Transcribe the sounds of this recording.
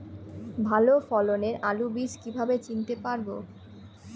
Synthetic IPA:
bʱalofɔloneɾʔalubid͡ʑkibʱabet͡ɕint̪epaɾbo

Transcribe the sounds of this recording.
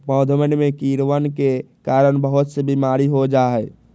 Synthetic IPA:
pɔːd̪ʱmənmẽkiːɾʋənkekaːɾəɽ̃bəɦʊt̪sebimaːɾiɦod͡ʒaːɦɛ

